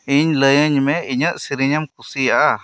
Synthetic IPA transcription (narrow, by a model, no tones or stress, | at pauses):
iɲləjə̃ɲmẽiɲə̃ʔsiɾiɲəmkusia